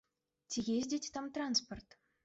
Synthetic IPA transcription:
tʲiɣʲezʲdʲetʲt̪ɑmt̪ransport̪

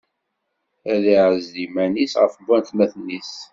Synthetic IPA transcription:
æðiʕəzːimænisʁə̰fbænt̪mæθnːis

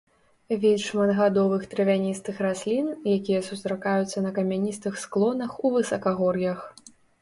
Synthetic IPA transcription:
vʲilʲʂmɐd̪ɣad̪ɔvɨxt̪ɾɨvʲanʲist̪ɨxɾasʲlʲinjakʲijɐsust̪ɾakajut̪sːɐnɐkɐmʲanʲist̪ɨxsklˠɔnɐxuvɨsɐkaɣɔrjɐx

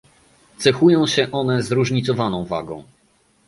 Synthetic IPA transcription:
t̪sɛxujɔ̃w̃ɕɛʔɔnɛzɾuʐɲit̪sɔvanɔ̃w̃va̰ɡɔ̰̃w̃

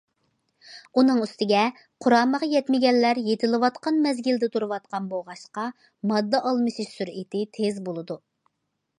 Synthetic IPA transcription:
unɨŋyst̪ɪɡʲɛ | qʰʊɾɑːməʁjɛt̪mɪɡʲɛnːæɾjet̪ʰɪlɨwɑt̪qɑnmɛzɡʲɪld̪ɪt̪ʰuɾɨwɑt̪̚qɑnboʁɑʃqɑ | mɑd̪ːɑʔɑlˠmɨʃiʃsyɾit̪ʰɪt̪ʰezbolˠɨd̪u

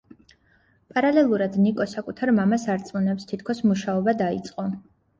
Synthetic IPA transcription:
pʼaɾalɛlˠuɾad̪nikʼɔsakʼut̪ʰaɾmamasaɾt̪sʼmunɛpst̪ʰit̪ʰkʰɔsmuʃaɔbad̪aḭt̪sʼqʼɔ

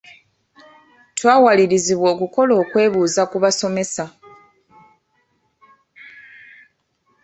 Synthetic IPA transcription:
twaːwaliɾiziβwo̞ːkuko̞lo̞ːkwe̞ːβuːzakuβaso̞me̞sa

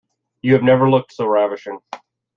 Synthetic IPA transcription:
jɨɨvnɛvə˞lʊk̚tsoʊɹævɨʃɪ̃ŋ

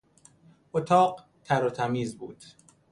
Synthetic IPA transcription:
ʔot̪ʰɒːɢ | t̪ʰæɾot̪ʰæmiːzbuːd̪̥

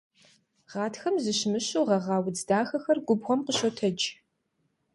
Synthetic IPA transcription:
ʁɑːtʰxɐmzɨɕmɨɕuːʁɐʁɑːwd͡zdaːxɐxɐrɡʷʊbʁʷɔmqəɕotʰɐd͡ʒ

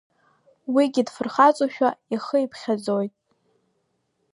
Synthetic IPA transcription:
wiɡʲɪdfɨrχat͡sʼuʃᶣaiχəipʰχʲad͡zojtʼ

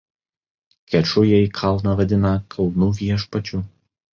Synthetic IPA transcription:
kʲɛt͡ʃʊjɛikʰɐlˠnɐʋɐd̪ʲɪnɐkʰɐlˠnuːʋʲiɛʃpɐt͡ʃʲuːˑ

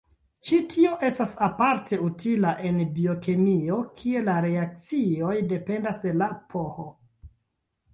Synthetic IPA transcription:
t͡ʃitʰio̞ʔe̞stasapaɾtʰe̞utilaʔe̞nbio̞kemio̞kʰie̞laɾe̞ak̚t͡sio̞jde̞pe̞ndasde̞lapʰo̞xo

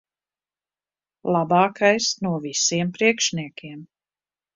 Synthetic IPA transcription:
lˠabɑːkajsnuɔvisiɛmpɾiɛkʃnʲiɛkʰʲiɛm

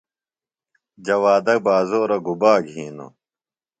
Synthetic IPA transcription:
d͡ʑɐwaːd̪ɐk̚baːzoːɾɐɡubaːɡʱiːno̰

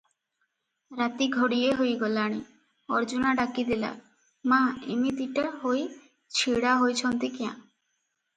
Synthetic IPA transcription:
ɾat̪iɡʱoɽijeɦojɡolaɽ̃i | ɔɾd͡ʒunaɖakid̪ila̰ | mãḛmit̪iʈaɦoj | t͡ɕʰiɽaɦojt͡ɕʰɔnt̪ikeã̰

